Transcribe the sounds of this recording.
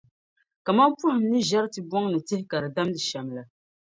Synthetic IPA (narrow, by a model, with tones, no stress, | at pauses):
ka˨ma˦m˦pu˦hɪ˨m˦nɨ˦ʒa˦ɾtɨ˨bɔ˦ŋnɨ˨tɪ˦hɪ˦ka˨ɾɨ˨da˦mdɨ˨ʃa˨mla˨